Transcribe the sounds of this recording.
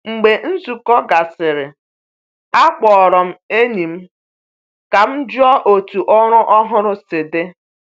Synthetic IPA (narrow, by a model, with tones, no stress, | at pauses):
ŋ͡m̩˨ɡ͡be˨n̩˦zu˨kɔ˦ɡa˨sɪ˨ɾɪ˨ | a˦k͡pɔ˨ɔ˨ɾɔ˨m̩˦e˦ni˨m̩˦ | ka˨m̩˦d͡ʒʊ˦ɔ˦ʔo˨tu˨ʔɔ˦ɾʊ˦ʔɔ˦ɦʊ˦ɾʊ˦sɪ˨de˦